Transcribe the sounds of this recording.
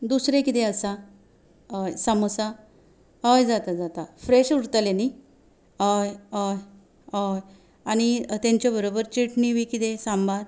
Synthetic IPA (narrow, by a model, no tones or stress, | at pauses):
d̪usɾẽkit̪ẽəsa | saməsa | ɦəjd͡zat̪ad͡zat̪afɾeɕuɽt̪aleni | əjj | j | aɽ̃it̪ãɲt͡ɕjabəɾobəɾt͡ɕiʈniʋikit̪esambʱaɾ